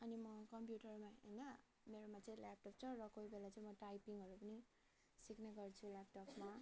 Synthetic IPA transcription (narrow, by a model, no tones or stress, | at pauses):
ʌnimʌkʌmpjuʈʌrmaɦʌnʌ | meɾomat͡sʌ̃ĩlap̚ʈop̚t͡sʰʌɾʌkoibelat͡sʌĩmʌʈajpiŋɦʌɾupʌni | sikneɡʌrt͡sʰulap̚ʈʌpma